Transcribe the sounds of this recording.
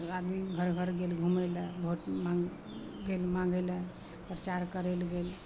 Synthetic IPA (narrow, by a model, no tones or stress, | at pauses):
ad̪miɡʱəɾɡʱəɾɡelɡʱumeləbʱoʈma | ɡelmãŋɡelə | pɾət͡ʃaɾkəɾelɡel